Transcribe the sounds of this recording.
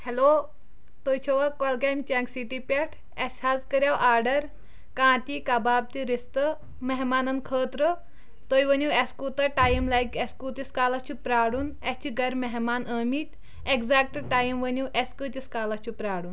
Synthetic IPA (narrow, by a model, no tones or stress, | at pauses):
heloː | t̪oːjt͡ʃʰoʋɐkɔlɡemʲt͡ʃeŋksiʈipʲɐʈʰ | eshaːzkəɾʲjaːwʔaːɾɖɐɾ | kãːt̪ikɐbaːb̚t̪iɾist̪ɨ | meɦmaːnɐnkʰəːt̪ɾɨ | t̪ojʋɐnʲuweskuːt̪ɐʈaːjimlaːjkeskut̪iskaːlɐt͡ʃʰupɾaːɽun | et͡ʃʰiɡɐɾmeɦmaːnəːmiːt̪ʲ | ekzak̚ʈʈaːjimʋɐnuwʔeskɨt̪iskaːlɐt͡ʃʰupɾaːɽun